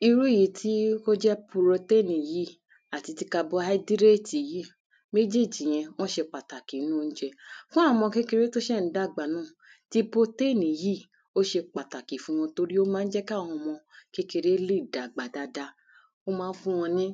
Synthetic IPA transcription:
i˧ɾu˦i˦˨ji˨tʰi˦ko˦d͡ʒɛ˦pu˧ɾo˧te˦˨nĩ˨ji˦ | a˨ti˨˧ti˧˦ka˧bɔ˦ha˦i˦di˦ɾe˦˨ti˨ji˦ | me˦d͡ʒe˦˨d͡ʒĩ˨j̃ɛ̃˧w̃ɔ̃˦ʃe˧k͡pa˨ta˨ki˨˦nũ˦˧n̩˦d͡ʒɛ˧fũ˦a˦˨ɔ̃˧mɔ̃˧ke˦ke˧ɾe˦to˦ʃɛ˦˨n̩˦da˦˨ɡ͡ba˨nũː˦˨ | ti˦bo˦te˦˨nĩ˨ji˦ | o˦ʃe˧k͡pa˨ta˨ki˨fũ˧w̃ɔ̃˧to˧ɾi˦o˦mãː˦˧n̩˦d͡ʒɛ˦ka˦˨w̃ɔ̃˧mɔ̃˧ke˦ke˧ɾe˦le˦˨da˨ɡ͡ba˨da˨da˧ | o˦mãː˦fũ˦w̃ɔ̃˧nĩ˦

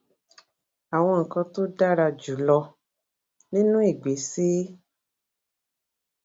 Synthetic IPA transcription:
a˨w̃ɔ̃˧ŋ̩˨kã˧to˦da˦ɾa˧d͡ʒu˨˦lɔ˧ | nĩ˦nũ˦i˦˨ɡ͡be˨˦si˦

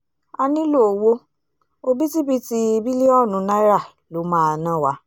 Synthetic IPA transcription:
a˧nĩ˦lo˦˨o˨wo˧ | o˧bi˦ti˦bi˦ti˧i˧bi˦le˦ɔ˦˨nũ˨˦nã˦ɾa˦˨ | lo˨˦mãː˦˨nã˦˨wa˦

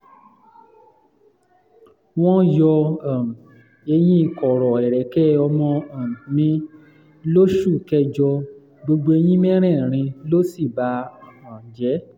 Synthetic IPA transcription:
w̃ɔ̃˦jɔ˧a˨m˨ | e˧j̃ĩ˦˧kɔ˨ɾɔ˨ɛ˨ɾɛ˨kɛ˦ɔ˧mɔ̃˧ã˨m˨mĩ˧˦ | lo˦ʃu˦˨kɛ˦d͡ʒɔ˧ | ɡ͡bo˧ɡ͡bo˧e˧j̃ĩ˦mɛ˦ɾ̃ɛ̃˦˨ɾ̃ĩ˧lo˦si˦˨ba˨˦˨ã˨d͡ʒɛ˨˦

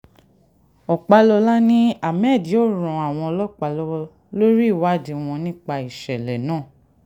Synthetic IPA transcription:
ɔ˨k͡pa˧lɔ˧la˦nĩ˦a˨mɛ˦˨di˨o˦˨ɾ̃ũ˧˨a˨w̃ɔ̃˧ɔ˧lɔ˦˨k͡pa˧lɔ˧˦ | lo˦ɾi˦˨wa˨˦˨di˨˧w̃ɔ̃˧nĩ˦k͡pa˧i˨ʃɛ˨lɛ˨nãː˦˨

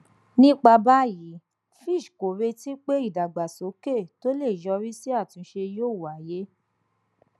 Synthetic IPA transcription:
nĩ˦k͡pa˧ba˦ji˨˦ | fi˦˨ʃko˨ɾe˧ti˦k͡pe˦i˦˨da˨ɡ͡ba˨so˨˦ke˦˨to˦le˦˨jɔ˧ɾi˦si˦a˦˨tũ˧ʃe˧joː˦˨wu˨a˨je˦

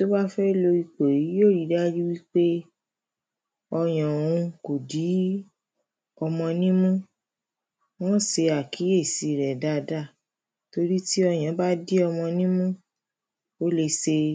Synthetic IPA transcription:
to˦ba˦fɛ˦i˧lo˧i˧k͡pe˨ɾi˨˦joː˦˨ɾi˨˧˦da˦d͡ʒi˦wi˦k͡pe˦ | ɔ˧j̃ɔ̃˨ũ˧ko˨di˨˦ | ɔ˧mɔ̃˧nĩ˦mũ˦ | w̃ɔ̃˦˨se˧a˨kʰi˨˦je˦˨si˧˨ɾɛ˨da˦˨˧da˦˨ | to˧ɾi˦ti˦ɔ˧j̃ã˨˦ba˦di˦ɔ˧mɔ̃˧nĩ˦mũ˦ | o˦le˧se˧

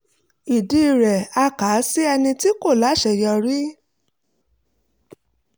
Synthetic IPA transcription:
i˨di˧˦i˨ɾɛ˨a˧ka˨˦si˦ɛ˧nĩ˧ti˦ko˦˨la˨˦ʃɛ˦˨jɔ˧ɾi˦

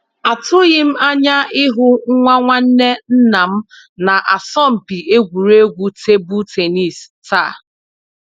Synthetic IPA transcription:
a˨tʊ˦ɣɪ˦m̩˦a˦ɲa˦ɪ˦ɦʊ˦ŋ̩˦ŋʷa˦ŋʷa˦n̩˦ne˦n̩˦na˨m̩˦ | na˨ʔa˨sɔ˦˨m̩˨pi˨e˦ɡʷu˨ɾe˦ɡʷu˦te˦bu˦te˨ni˦˨s | taː˦˨

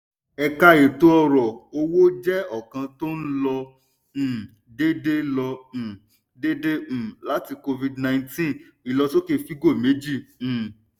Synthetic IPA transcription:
ɛ˧ka˧je˨to˨˦ɔ˦˧ɾɔ˨o˧wo˦d͡ʒɛ˦ɔ˦˨kã˧to˦n̩˦lɔ̃˧˨ | de˦de˦lɔ̃˧˨ | de˦dẽ˦˨la˨˦ti˧ko˧vi˧dnã˧j̃tĩ˦n | i˨lɔ˧to˦ke˦˨fi˦ɡo˦˨me˨˦d͡ʒĩ˦˨

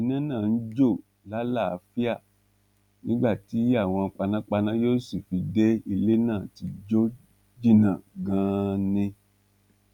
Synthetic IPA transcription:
i˨˧nã˦nãː˦˨n̩˦d͡ʒo˦˨ | la˦la˦˨a˧fi˦a˦˨ | nĩ˦ɡ͡ba˦˨ti˨˦a˦˨w̃ɔ̃˧k͡pa˧nã˦k͡pa˧nã˦jo˦si˨fi˧de˦i˧le˦nãː˦˨ti˧d͡ʒo˦ | d͡ʒi˦˨nã˨ɡã˨˦nĩ˧

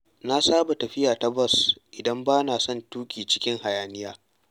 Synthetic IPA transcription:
na˦saː˦ba˨tɐ˨ɸɪ˦jaː˨ta˦bɔ˦sʔɪ˨dɐ˦mbaː˦naː˨sɔ˦˨ntuː˦kʲʼiː˨t͡ʃɪ̥˦kʲɪ˦ŋha˨jaː˨nɪ˦jaː˦

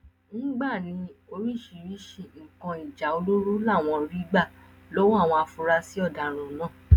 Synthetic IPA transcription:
nĩ˦ɡ͡ba˦˨nĩ˨˦o˧ɾi˦˨ʃi˧˨ɾi˦ʃe˧ŋ̩˨kã˧i˨d͡ʒa˨˦o˧lo˦ɾu˦la˦˨w̃ɔ̃˧ɾi˦ɡ͡ba˦˨ | lo˦wa˦˨w̃ɔ̃˧a˧fu˧ɾa˧si˦ɔ˦˨da˨ɾ̃ũ˨˦nãː˦

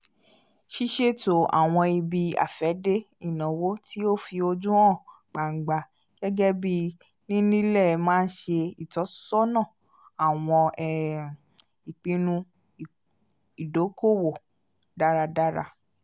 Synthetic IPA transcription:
ʃi˦ʃe˦to˨a̰˨w̃ɔ̃˧i˧bi˧a̰˨fɛ˨˦de˦ | i˦˨nɔ̃˨wo˦ti˦o˦˨fi˧o˧d͡ʒũ˦ɔ̃˦˨ | ɡ͡ba˨ŋ̩˨ɡ͡ba˨ | ɡ̥ɛ˦ɡɛ˦bi˦ | nĩ˦nĩ˦lɛ˦˨˧mãː˦˧n̩˦ʃe˧i˨tɔ˨˦sɔ˦nã˦˨ | a˨w̃ɔ̃˧ɛ˨ | i˨k͡pĩ˧nũ˧˨ | i˨do˨˦ko˦˨wo˨ | da˦ɾa˧da˦ɾa̰˧

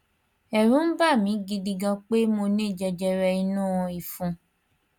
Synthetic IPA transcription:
ɛ˨ɾũ˦ba˦˨mĩ˨˦ɡi˧di˧ɡã˧k͡pe˦mo˧nẽ˦˨d͡ʒɛ˧d͡ʒɛ˧ɾɛ˧i˧nũ˦˨ɔ̃˧i˨fũ˧

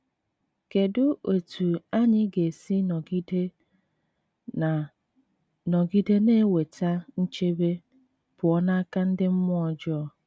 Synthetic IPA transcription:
ke˨dʊ˦ʔo˨tʰu˨a˦ɲɪ˦ɡe˨si˦nɔ˨ɡi˦de˦˨ | nɔ˨ɡi˦de˦ne˦we˨ta˦n̩˦t͡ʃe˦be˦ | b̥ʊ˨ɔ˦na˦a˦ka˦n̩˦dɪ˦m̩˦mʊ˦ɔ˨d͡ʒɔ˦

